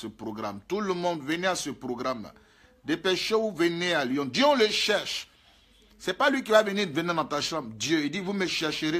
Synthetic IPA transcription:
səpʁoɡʁamt̪uləmɔ̃d̪vənɛasəpɾoɡʁamla̰ | d̪epeʃeuvenɛaljɔ̃d̪jøɔ̃ləʃɛʁʃ | sɛpalɥik̬ivavəniʁvəniʁd̪ãt̪aʃãbd̪jøid̪ivuməʃɛʁʃəʁe

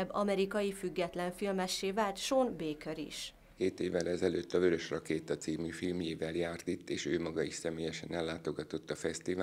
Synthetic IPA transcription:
bɒmɛɾikɒjifyɡːɛt̪lɛɱfilmɛʃːeːvaːlt̪ʃoːnbeːkøɾḭʃ | keːt̪eːvːɛlɛzɛløːt̪ːɒvøɾøʃrɒkeːt̪ɒt̪siːmyfilmjeːvɛljaːrt̪it̪ːeːʃøːmɒɡɒiʃsɛmeːjɛʃɛnɛlːaːt̪o̞ɡɒt̪o̞t̪ːɒfɛst̪iva

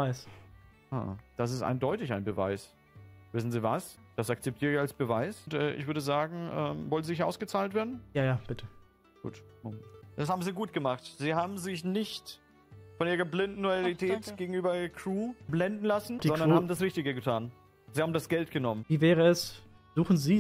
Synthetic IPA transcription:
vaɪs | a̰ːd̥as̬ɪstʔa̰ɪndɔʏtɪçaɪnbəva̰ɪs | vɪsn̩ziːvasd̥asak̚t͡sɛp̚tʰiːʁɪçalsb̥əvaɪstʔɛːʔɪçv̥ʏɐdəzaːɡŋ̩ʔɛːmvɔlnziɪçʔa̰ʊsɡ̥ət͡saːltv̥eːɐdn̩jaːjaːb̥ɪtʰə | ɡ̥ṵːtomd̥ashaːbm̩ziːɡuːt̚ɡ̥əmaχtz̥iːhaːbm̩zɪçnɪçt | fɔnʔiːʁɐblɪndn̩ɔlitʰɛːtɡ̥eːɡŋ̩ʔyːbɐkʰʁ̥uːblɛndn̩lasn̩̥iɔndɐnhaːbm̩dasʁɪçtɪɡəɡətʰaːn | z̥iːhaːbm̩dasɡ̥ɛltɡ̥ənɔmənviːvɛːʁəɛs | z̥uːxn̩ziː

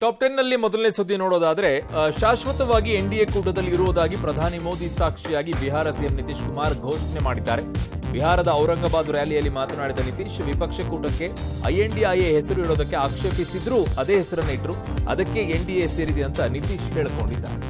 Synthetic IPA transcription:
ʈaːp̚ʈenːɐlːimɔd̪ɐlneːsud̪ːinoːɽoːd̪aːd̪ɐɾe̞ʃaːʃʋɐt̪ɐʋaːɡieɳɖijeːkuːʈɐd̪ɐlːiiɾuʋod̪aːɡipɾɐd̪ʱaːnimo̞ːd̪isaːkʂijaːɡibiɦaːɾɐsijɐmnit̪iʂkumaːɾɡʱoːʂnemaːɽid̪ːaːɾe̞ | biɦaːɾɐd̪ɐːwɾɐŋɡɐbaːd̪uɾjaːlijɐlːimaːt̪ɐnaːɽid̪ɐnit̪iːʂʋipɐkʂɐkuːʈɐkːe̞ɐ̰jeɳɖiajeɦɛsɐɾuɦiɭo̞ːd̪ɐkːe̞aːkʂeːpisid̪ɾuːɐd̪e̞ːɦɛsɐɾɐneːʈɐɾuɐ̰d̪ɐkːe̞eɳɖijese̞ːɾid̪eɐnt̪ɐnit̪iːʃɦeːɭko̞̰ɳɖid̪ːa̰ːɾe

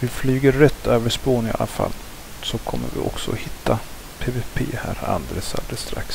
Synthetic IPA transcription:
vɪflyːɡəːɛt̪ʰːøːvəʂpoːnɪalafa̰lː | sɔkʰɔmːəɾvɪʔɔksɔɔhɪt̪ːa | pʰeːvepʰeːhæːɾa̰nd̪ɾesa̰d̪ɾəst̪ɾaks

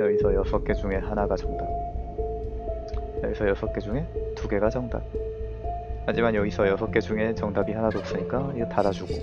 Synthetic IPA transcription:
jʌɡisʰʌjʌsʰʌk͈e̞d͡ʑuŋe̞ɦanaɡad͡ʑʌŋda | jʌɡisʰʌjʌsʰʌk͈e̞d͡ʑuŋe̞tuɡe̞ɡad͡ʑʌŋda̰ | mad͡ʑimanjʌɡisʰʌjʌsʰʌk͈e̞d͡ʑuŋe̞t͡ɕʌŋdabihanadoːk̚s͈ɯɲik͈aiɡetaɾad͡ʑuɡo

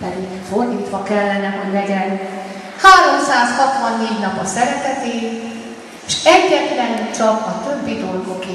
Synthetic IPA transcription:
ɛd̪i | fo̞rd̪iːt̪ʋɒkɛlːɛnɛɦo̞ɟlɛɟɛn | haːɾo̞msaːshɒt̪ʋɒnːeːɟnɒpɒsɛɾɛt̪ɛt̪eːn | eʃɛɟːɛt̪lɛnt͡ʃɒkɒt̪øbːid̪o̞lɡo̞ke

